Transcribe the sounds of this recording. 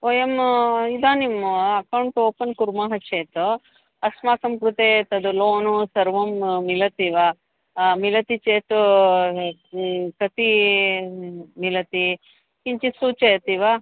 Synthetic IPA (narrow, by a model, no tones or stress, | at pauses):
oːjɐmid̪aːnimɐkɐwɳʈoːpɐnkuɾmaːɦɐt͡ʃeːt̪u | ɐsmaːkɐmkɾut̪eːt̪ɐd̪uloːnusɐɾʋɐmːilɐt̪iʋa | milɐt̪it͡ʃeːt̪u | kɐt̪i | milɐt̪i | kiɲt͡ʃisuːt͡ʃejɐt̪iʋa